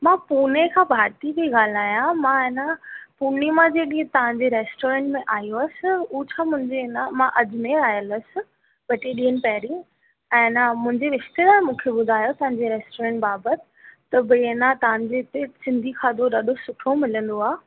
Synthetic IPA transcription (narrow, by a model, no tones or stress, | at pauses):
mãːpuːnekʰãːbʱaːɾt̪ikeɠaːl̤aːjãmãːɪnapuːnːimãd͡ʑeɗiːɦət̪ɐʋ̤ãɲd͡ʑeɾeːsʈoːɾẽːɳʈmẽʔaːjoɐsɪ̆ut͡ɕʰaːmʊ̃ɦɪ̃ɲd͡ʑeɪnamãʔɐd͡ʑmẽaːjələsɪ̆ | bɐʈiɗiːɦənɪ̆pɛːɾi | ɛ̃ːnamʊ̃ɦɪ̃ɲd͡ʑeɾɪʃt̪elaːmũːkʰeɓʊd̪ʱaːjot̪ɐ̃ɦãɲd͡ʑeɾeːsʈoːɾẽːɳʈbaːbət̪ɪ̥t̪ɐbɪɪnat̪ɐʋ̤ãɲd͡ʑeɪt̪esɪ̃nd̪ʱikʰaːd̪ʱoɗaːɗosʊʈʰomɪlə̃nd̪oaː